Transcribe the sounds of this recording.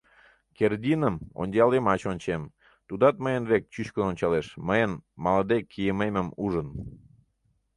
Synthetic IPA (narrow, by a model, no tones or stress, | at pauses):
kerd̪ʲinəmo̰nʲdʲɑlemɑt͡ɕonʲt͡ɕem | t̪ud̪ɑt̪̚məjənβek̚t͡ɕyt͡ɕkənonʲt͡ɕɑleʃməjənmɑləd̪ekʰːijəmeməmuʒən